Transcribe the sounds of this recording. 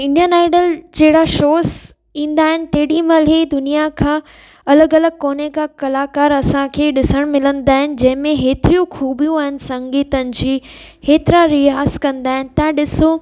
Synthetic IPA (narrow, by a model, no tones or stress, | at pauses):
ɪ̃ɳɖijənaːɪɖəld͡ʑɐɦɪɽaʃoːs | ĩːnd̪aːɦɪnɪ̆t̪eɦɽimɐled̪ʊnijakʰãː | ɐləɡɐləɡ̚koːnekakɐlaːkaːɾɐsãkʰeːɗɪsəɽ̃mɪlə̃nd̪aːɦɪnɪ̆d͡ʑɐ̃ɦɪ̃mẽɦeːt̪ɪɾijũxʰuːbijũaːɦɪnɪ̆sɐ̃ŋɡiːt̪ənɪ̆d͡ʑiːheːt̪ɪɾaɾiaːskɐ̃nd̪aːɦɪnɪ̆t̪ɐ̃ɗɪso